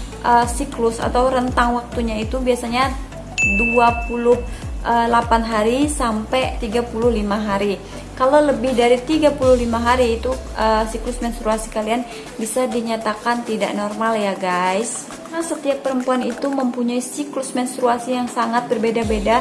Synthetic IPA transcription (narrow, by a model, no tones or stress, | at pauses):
ʔəsiklʊsa̰t̪awɾənt̪aŋwak̚t̪uɲait̪ubiasaɲa | duapulʊhʔəlapanɦaɾisampajt̪iɡapulʊhlimaɦaɾi | kaloləbɪhdaɾit̪iɡapulʊhlimaɦaɾiːt̪uʔəsiklʊsmɛnst̪ɾuasi̥kalian | bisadiɲat̪akant̪ida̰ʔnɔrmaljaɡajs | nahsət̪iapːəɾəmpuanit̪uməmpuɲaisiklʊsmɛnst̪ɾuasijaŋsaŋat̪̚bərbedabeda